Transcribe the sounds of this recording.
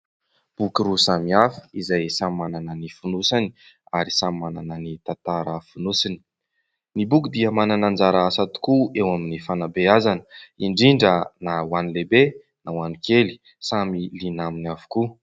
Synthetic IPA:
b̥ukiɾusamiafi̥izajsammananənifunusani̥ | aɾisamimananənit̪at̪aɾəfunusini̥ | nibukid̪iəmananand͡zaɾaasat̪u̥kuewaminifanabeazanə̥iɳɖ͡ʐiɳɖ͡ʐənawanilebe | nawanikeli̥ | samilinaminavu̥ku

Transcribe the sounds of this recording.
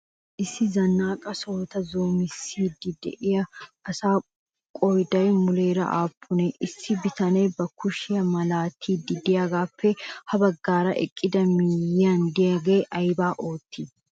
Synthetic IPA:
ʔɪsːɪzɐnːaːkʼɐsoːt̪ɐzoːmɪsːiːd̪ɪd̪ɛ̰ʔɪjɐɐsaː | kʼɔjd̪ɐjmʊleːɾɐ̰ʔa̰ːpʰːʊnɛʔɪsːɪbɪt̪ɐnɛjbɐkʊʃɪjɐmɐlaːt̪ʰːiːd̪ɪd̪ɪjaːɡaːfːɛhɐbɐɡːaːɾɐ̰ʔɛ̰kʼːɪd̪ɐmijːaːnd̪ɪjɐɡeːʔɐjbaːʔo̞ːt̪ːiː

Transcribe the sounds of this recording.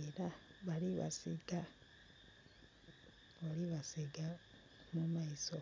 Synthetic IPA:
eɾaβaliβa̰siɡa | βaliβasiɡa | mumaiso

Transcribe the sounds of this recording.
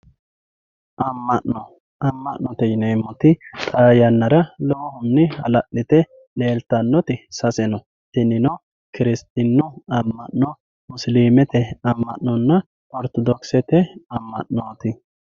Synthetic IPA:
ʔɐmːɐʔɔ | ʔɐmːɐʔnːɔt̪ɛjɪnemːɔt̪ɪt̪ʼaːjɐnːɐɾɐloːhʊnːɛhɐ̰lɐʔɪt̪ɛ | le̞ːlt̪ɐnːɔt̪ɪsɐsɛnɔ | t̪ɪnɪnɔ | kɪɾɪst̪ʼɪnːʊɐmːɐʔnɔ | mʊsliːmɛt̪ɛɐmːɐ̰ʔnɔnːɐ | ʔɔɾt̪ɔd̪ɔksɛt̪ɛɐmːɐ̰ʔnoːt̪ɪ

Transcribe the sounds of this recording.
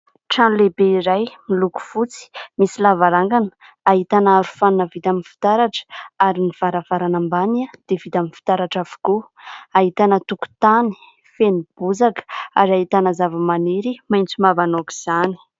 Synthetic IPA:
ʈ͡ʂanlebeiɾajmiluku̥fut͡si̥misilavaɾaŋɡanə̥ | aɦit̪anaɾu̥fanunəvit̪amifi̥t̪aɾaʈ͡ʂə̥aɾiniv̥aɾav̥aɾanambanəd̪̥evit̪amifi̥t̪aɾaʈ͡ʂavu̥ku | aɦit̪anət̪uku̥t̪ani̥ | fenib̥uzakə̥aɾaɦit̪anəzavəmaneɾimajnt͡simavanoki̥z̥ani̥

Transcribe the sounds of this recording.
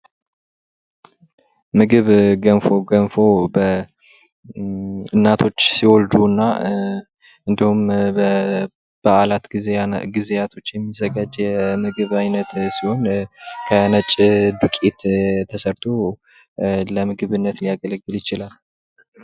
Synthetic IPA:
mɨɡɨβɡənfoɡənfo̞bə | ɨnːat̪ʰo̞t͡ʃːsiwɔld̪uɨnːa | ɨnd̪ihum | b̥əalat̪ɡieɡizejat̪ʰo̞t͡ʃːjɛmːizːəɡad͡ʒːɛmɨɡɨβajnət̪siho̞nkʰənət͡ʃʼd̪ukʼet̪t̪ʰəsəɾt̪ʰo | ləmɨɡɨβɨnːət̪lijaɡələɡːɨljɪt͡ʃɪlal

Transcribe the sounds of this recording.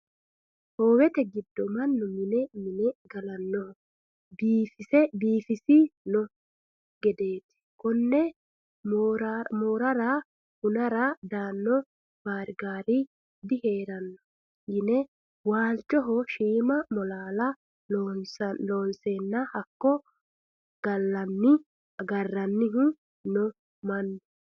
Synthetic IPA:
hoːwɛt̪ɛɡɪd̪ːɔmɐnːɔmɪnɛmɪnɛɡɐlɐnːɔ | biːfɪsɛbiːfɪsinɔ | ɡɛd̪eːt̪ɪ̥kʊnːɛ | moːɾɐɾɐ | hʊnɐɾɐd̪aːnːɔ | b̥aːɾɡaːɾi | d̪ɪheːɾɐnːɔ̥ | jɪnɛ | waːlt͡ʃɔɦɔʃiːmɐmɔlaːlɐ | onsɐloːnseːnːɐhɐkːɔ | ɡ̥ɐlːɐnːɪ | ɡɐrːɐnːɪɦʊ | nɔ | mɐnːɔ

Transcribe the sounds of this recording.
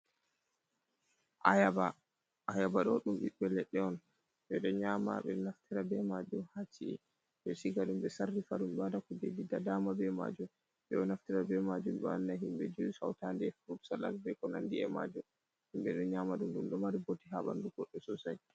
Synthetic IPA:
ʔajaba | ajabaɗɔɗumɗibɛlɛɗːɛɔn | ɓɛɗɔɲama̰ɓɛ̰naftiɾabɛmad͡ʒumhat͡ʃiɛ̰ | ɓɛsiɡaɗumɓɛsarːifaɗumɗadakɔdedidadamabɛma̰d͡ʒum | ɓɛɔnaftiɾabɛmad͡ʒumɗɔanːaɦimɓɛd͡ʒusa̰wtandɛfɾubsala̰sbɛkɔnandiɛma̰d͡ʒum | humɓɛɗɔɲamaɗumɗumɗɔmaɾibotːiɦaɓa̰nduɡɔɗːɔsɔsaj

